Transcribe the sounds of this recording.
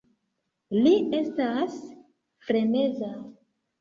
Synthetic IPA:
lie̞stas | fɾe̞ne̞za

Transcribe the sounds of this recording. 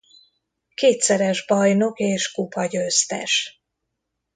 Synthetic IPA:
keːt̪sɛɾɛʒbɒjno̞keːʃkupɒɟøːst̪ɛ̰ʃ

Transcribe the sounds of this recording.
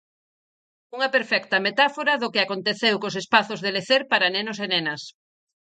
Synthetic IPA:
uŋɐpeɾfɛkt̪ɐmet̪afoɾɐðʊkɪakont̪eθewkosespaθʊzðeleθeɾpaɾɐnenosenenɐs

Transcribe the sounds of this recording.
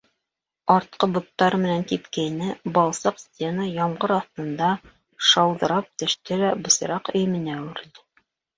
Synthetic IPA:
ɑɾt̪̚qɤbŏt̪ːɑɾmɘ̆nænt̪ipkæjnɘbɑlˠsɤqsʲtʲenɑjɑɴɢɤɾɑθt̪ɤ̆nd̪ɑ | ʃɑwðɤ̆ɾɑp̚t̪ɘ̆ʃt̪ɘɾæbɤ̆sɤ̆ɾɑqɵ̆jɘ̆mɘ̆næʉɾd̪ɘ

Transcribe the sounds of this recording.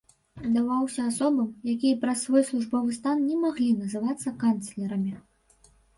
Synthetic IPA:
zd̪avawsʲɐːsɔbɐmjakʲijɐpɾɐsːvɔjslˠuʐbɔvɨst̪annʲɛmaɣlʲinɐzɨvat̪sːɐkant̪slʲɛɾɐmʲi

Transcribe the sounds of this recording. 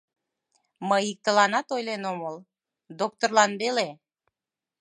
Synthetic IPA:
məjik̚t̪əlɑnɑt̪ojlenoməl | d̪ok̚t̪orlɑnβele

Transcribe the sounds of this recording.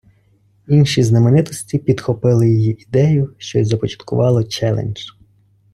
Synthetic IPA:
inʃiznɐmenɪt̪ɔsʲtʲipʲid̪xɔpɪlˠɪjɔjiʔid̪ɛjʊʃt͡ʃɔzɐpɔt͡ʃɐ̥t̪kʊʋɑlˠɔt͡ʃɛlˠḛnʲʒ

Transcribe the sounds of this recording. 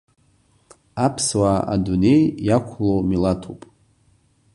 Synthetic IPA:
apʰswaa̰dune̞jːakʷʰlomilatʰo̰pʼ

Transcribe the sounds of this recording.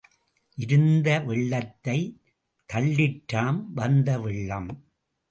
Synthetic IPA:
ʔɪɾɯnd̪ɐʋɪɭːɐt̪ːɐɪ | t̪ɐɭːɪʈːɾaːmʋɐnd̪ɐʋɪɭːɐm

